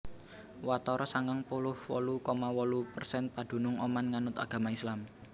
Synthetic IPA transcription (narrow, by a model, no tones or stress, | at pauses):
wat̪ɔɾʔɔsaŋɡaŋpulʊhwɔlukɔmawɔlupərsɛnpad̪̥ṳnʊŋɔmanŋanʊt̪a̰ɡ̥ä̤maislam